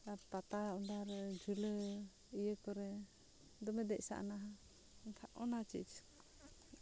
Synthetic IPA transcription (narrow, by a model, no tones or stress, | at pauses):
apat̪aud̪aɾd͡ʒulə | ijəkɔɾɛ | d̪ɔmɛd̪ɛʔsa̰ʔa̰naɦa | nkʰaʔʔɔnat͡ʃḭt͡ʃ